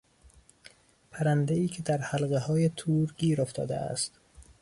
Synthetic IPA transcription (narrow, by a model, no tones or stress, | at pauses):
pʰæɾænd̪eiːcʰe̞d̪æɾhælɣehɒːje̞t̪ʰuːɾɡiːɾoft̪ɒ̰ːd̪ḛæ̰st̪